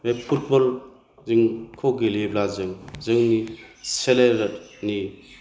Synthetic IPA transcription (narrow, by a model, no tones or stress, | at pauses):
mepʰut̚bɔl | zɯŋkʰoɡileblazɯŋzɯŋniseleɾni